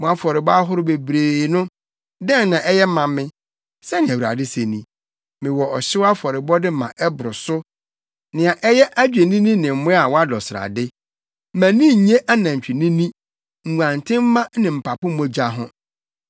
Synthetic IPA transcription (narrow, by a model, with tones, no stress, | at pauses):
mɔ̃˨a˨fɔ˨ɾɪ˨bɔ˦a˦ɦʊ˦ɾʊ˦be˨bɾeː˨nʊ̃˦ | dɛ̃˦nnã˨ʔɛ˦jɛ˦mã˨mɪ̃˦ | sɛ˦nɪ̃˨æ˨wu˨ɾa̰˨dɪ˦se˨nĩ˨ | mɪ̃˨wɔ˨ɔ˨ɕɪ˦wa˦fɔ˨ɾɪ˨bɔ˦dɪ˦mã̰˨ʔɛ˦bʊ˨ɾʊ˨sʊ˦ | nɪ̃˨ã˨ʔɛ˦jɛ˦ʔæ˦d͡ʑᶣe˨nĩ˦nĩ˦nɪ̃˨m̩˨mʊ̃˦a˨wɔ˦a˦dɔ˨sɪ˨ɾa̰˨dɪ˦ | mæ̃˨nĩ˦˨ɲẽ˦ʔa˦nã˨ɲ̩˨t͡ɕᶣi˨nĩ˦nĩ˦ | ŋ̩˨ã˨n˨tʰɪ̃˦m̩˦mã˦nɪ̃˨m̩˨pʰa˨pʊ̃˦mɔ̃˨˦d͡ʑa˦ɦʊ̃˦